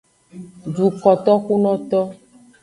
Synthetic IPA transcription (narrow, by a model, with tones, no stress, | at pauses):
ɖu˨kɔ˨t̪ɔ˦xu˦nɔ̃˦t̪ɔ˦